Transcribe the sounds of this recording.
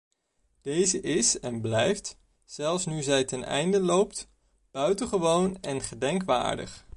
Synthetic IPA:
d̥ejzəʔɪsɛnblɛjft | z̥ɛlˠfsnyzɛjtɛnɛ̰jndəlowpt | b̥œɥtəχəʋownɛnχədɛŋkʋa̰ːɹdə̰χ

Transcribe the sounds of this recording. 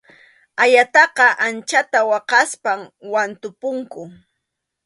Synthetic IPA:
ajat̪ɑqɑʔant͡ʃat̪awɑqɑspamwant̪ʊpʊŋkʊ

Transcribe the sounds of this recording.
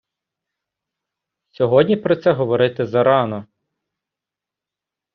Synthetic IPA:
sʲɔɦɔdʲnʲipɾɔt̪sɛɦɔʋɔɾɪt̪ɪzɐɾɑnɔ

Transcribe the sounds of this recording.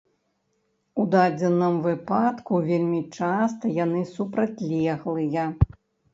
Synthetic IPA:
ud̪ad͡zʲɛnːɨmvɨpat̪kuvʲelʲmʲit͡ʂast̪ɐjan̪ɨsupɾat͡sʲlʲɛɣlˠɨjɐ

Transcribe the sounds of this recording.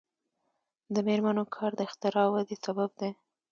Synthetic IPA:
d̪əmeɾmanokʰɑɾd̪əɪxt̪ɪɾɑwad̪esabab̚d̪a

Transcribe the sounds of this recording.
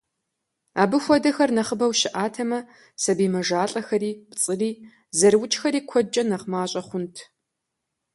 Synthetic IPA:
aːbɨxʷɔdɐxɐrnɐχəbɐwʃɪʔaːtʰɐmɐ | sɐbiːmɐʒaːɬʼɐxɐɾiːpt͡sʼɨriː | zɐrwʊt͡ʃʼxɐɾiːkʷʰɔd͡ʒʼɐnɐʁmaːɕʼɐχʷʊntʰ

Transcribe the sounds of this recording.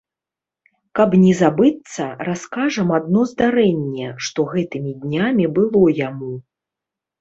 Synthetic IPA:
kɐbnʲɛzabɨt̪sːɐraskaʐɐmad̪̚nɔzd̪aɾɛnʲːɛʂt̪ɔɣɛt̪ɨmʲid̪ʲnʲamʲibɨlˠɔjamu

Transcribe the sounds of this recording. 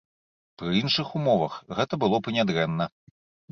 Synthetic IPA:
pɾɨinʂɨxumɔvɐxɣɛt̪ɐbɨlˠɔpɨnʲad̪ɾɛnːɐ

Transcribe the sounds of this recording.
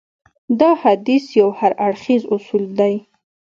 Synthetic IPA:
d̪ɑhad̪isjawhaɾaɽxizʊsuld̪aj

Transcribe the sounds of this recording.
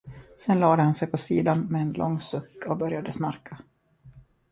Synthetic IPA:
sɛnlɑːd̪əhansɛjpʰɔsiːd̪anmɛːnlʔɔ̰ŋːsɵkːɔbœɾjad̪əsnaɾkʰa

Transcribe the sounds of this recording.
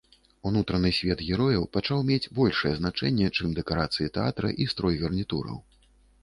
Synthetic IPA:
unut̪ɾɐnɨsʲvʲɛd̪ɣʲɛɾɔjɐwpat͡ʂawmʲed͡zʲbɔlʲʂɨjɛznat͡ʂɛnʲːɛt͡ʂɨmd̪ɛkaɾat̪sɨjit̪ɛat̪ɾɐ̰ʔist̪ɾɔjɣɛrnʲit̪ṵɾɐ̰w

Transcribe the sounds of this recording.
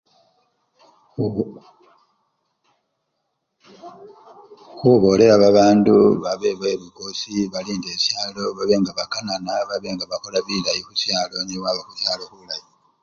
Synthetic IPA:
xuβo̞ːle̞ɾaβaβaːnduβaβe̞βwe̞βikosiβaliːnde̞ːsjaːlo̞βaβeːŋɡaβakananaβaβeːŋɡaβako̞laβilajixusjaːlo̞niwaβexusjaːlo̞xulaji

